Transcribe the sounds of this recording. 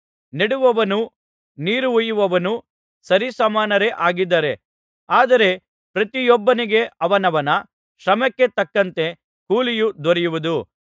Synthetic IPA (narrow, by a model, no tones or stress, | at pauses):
niɽuʋɐʋɐnu | niːɾuujuʋɐʋɐnu | sɐɾisɐmaːnɐɾe̞ʔaːɡid̪ːɐɾe̞ | aːd̪ɐɾe̞ | pɾɐt̪ijɔbːɐniɡe̞ɐʋɐnɐʋɐnɐ | ʃɾɐmɐkːe̞t̪ɐkːɐnt̪e̞ | kuːlijud̪ʋɐɾijuʋud̪u